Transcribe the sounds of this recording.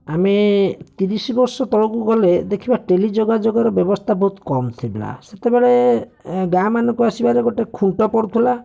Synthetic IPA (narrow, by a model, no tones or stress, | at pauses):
amet̪iɾisbɔɾsɔt̪ɔɽukuɡɔled̪ekʰibaʈelid͡ʒoɡad͡ʒoɡɔɾɔbjɔbɔst̪ʰabɔɦut̪kɔmt̪ʰibela̰set̪ebeɭe | ɡamanɔkuasibaɾeɡoʈekʰuɳʈɔpɔɽut̪ʰila